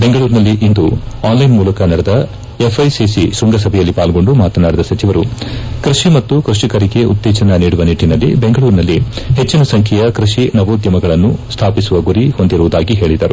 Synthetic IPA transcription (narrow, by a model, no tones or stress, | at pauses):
be̞ŋɡɐɭuːɾnɐlːiʔind̪uaːnlɐjnmuːlɐkɐnɐɽɛd̪ɐ | efʰɐjsisisuŋɡɐsɐbʱɛjɐlːipaːlɡo̞ɳɖumaːt̪ɐnaːɽid̪ɐsɐt͡ʃiʋɐɾukɾiʂimɐt̪ːukɾuʂikɐɾiɡe̞ʔṵt̪ːɛːt͡ʃɐnɐniːɽuʋɐniʈːinɐlːḭbeŋɡɐɭuːɾnɐlːiɦet͡ʃːinɐsɐŋkʰɛjɐkɾiʂinɐʋoːd̪jɐmɐɡɐɭɐnːust̪ʰaːpisuʋɐɡuɾiho̞nd̪iɾuʋud̪aːɡiɦe̞ːɭid̪ɐɾu